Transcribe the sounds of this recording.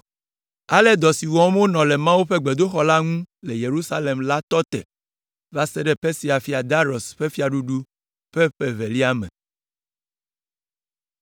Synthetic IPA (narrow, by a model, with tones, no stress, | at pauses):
a˦lɛ˦d̪ɔ˨si˨wɔ˨˦m˦o˦nɔ̃˨lɛ˨mã˦wu˦ɸe˦ɡ͡be˨d̪o˦xɔ˦la˦ŋũ˦le˨je˨ɾu˦sa˦le˨mla˦t̪ɔ˦t̪ɛ̰˨ | va˦sɛ˦ɖɛ˦pe˦si˨˦a˨fi˦a˨d̪a˦ɾɔ˨sɸe˦fi˦a˨ɖu˦ɖu˦ | ɸɛ˦ɸe˨ve˨li˦a˦mɛ̰̃˨